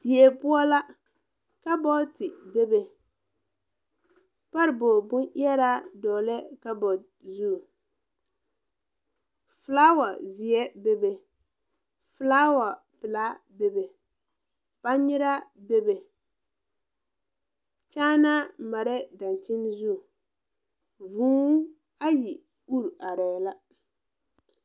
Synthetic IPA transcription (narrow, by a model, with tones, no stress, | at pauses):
di˨e˨pʊ˦ɔ˦la˦ | ka˦bɔ˦tɪ˨be˦be˨ | pa˦ɾɪ˨bɔ˨bʊ˦ni˦ɛ˦ɾa˦dɔː˨lɛ˦ka˦bɔ˨ | zu˦˨ | fɨ˨la˦wa˨zi˨ɛ˦be˦be˨ | fɨ˨˦laː˦wa˨ | pɨ˨la˦be˦be˨ | pa˦ɲɪ˦ɾa˦be˦be˨ | t͡ʃaː˦na˦ma˨ɾɛ˦da˨n˨t͡ʃɪ˦n˦zu˦˨ | vuː˦ | a˦ji˨ | u˦ɾa˨ɾɛ˨la˦